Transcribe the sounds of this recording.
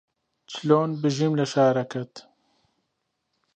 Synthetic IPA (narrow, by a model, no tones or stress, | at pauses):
t͡ʃloːnbɨʒimlɐʃaːɾɐkɐt̪